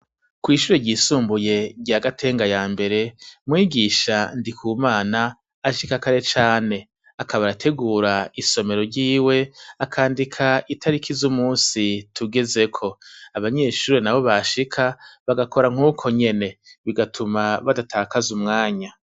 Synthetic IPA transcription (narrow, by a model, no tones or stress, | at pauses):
kwiːʃuɾeɟiːsuːmbuje̞ɟaɡatʰe̞ːŋɡajaːmbe̞ɾe̞mŋiːɡiʃandikʰuːmaːnaː | ʃikakaɾe̞t͡ʃaːne̞ | akʰaβaɾatʰe̞ɡuːɾaiso̞me̞ɾo̞ɾɟiːwe̞akʰaːndikʰaitʰaɾikʰizumuːnsitʰuɡe̞ze̞kʰo̞aβaɲe̞ʃuːɾenaβo̞βaʃikʰaβaɡakʰo̞ɾaŋ̥huːkʰo̞ɲe̞ne̞βiɡatʰumaβadatʰaːkazumŋaːɲa